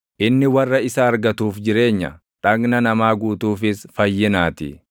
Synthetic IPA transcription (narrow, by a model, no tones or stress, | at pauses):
ʔɪnːɪwɐrːɐɪsɐːɾɡɐt̪uːfd͡ʒɪɾe̞ːɲːɐ̰ | ᶑɐɡnɐnɐmaːɡuːt̪uːfɪsfɐjːɪnaːt̪ɪ̰